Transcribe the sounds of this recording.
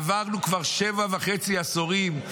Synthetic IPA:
vaʁnukvaʁʃevaveχet͡siasoʁim

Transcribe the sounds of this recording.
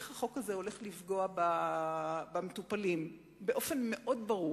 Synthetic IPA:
χaχo̞kaze̞o̞le̞χlifɡo̞aba | bametupalim | beʔo̞fe̞nme̞ʔo̞dbaʁu

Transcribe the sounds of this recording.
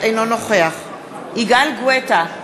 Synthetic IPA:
ejnonoχeaχ | ʔiɡalɡweta

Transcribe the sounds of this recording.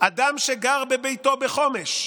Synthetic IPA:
ʔad̪amʃeɡaʁbebejt̪o̞beχo̞meʃ

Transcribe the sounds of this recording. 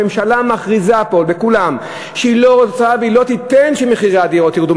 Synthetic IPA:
emʃalamaχʁizapo̞lbekulam | ʃeilo̞ʁot͡saveilo̞t̪it̪enʃemeχiʁad̪iʁot̪iʁd̪u

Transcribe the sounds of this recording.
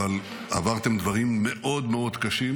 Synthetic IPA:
al | a̰vaʁt̪e̞md̪vaʁimːe̞ʔo̞d̪meo̞d̪kaʃim

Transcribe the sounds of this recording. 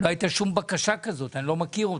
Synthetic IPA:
loait̪aʃumbakaʃakazot̪anlomakiʁu

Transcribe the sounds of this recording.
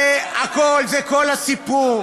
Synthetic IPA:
eakolzɛkolasipuʁ

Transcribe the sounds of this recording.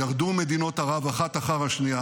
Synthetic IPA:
aʁd̪ume̞d̪ino̞thaʁavaχat̪aχaʁhaʃnia

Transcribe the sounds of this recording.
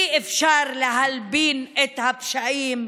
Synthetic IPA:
iʔɪfʃɑːɾˤlɪɦalbiːnʔɪt̪habʃaʕiːm

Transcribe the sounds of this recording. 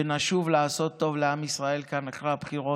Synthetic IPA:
enaʃuvlaːso̞t̪ːo̞vleamisʁae̞lkanaχʁabχiʁo̞

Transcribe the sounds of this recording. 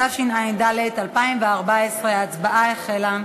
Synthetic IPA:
aʃinajnd̪alet̪alpaimveaʁbaesʁeat͡sbaʔaeχela

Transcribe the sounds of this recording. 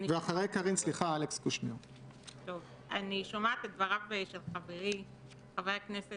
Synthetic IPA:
nveaχaʁejkaʁinsliχaalekskuʃmiʁ | t̪o̞v | aniʃomat̪edvaʁavbeʃelχaveʁi | χaveaknese

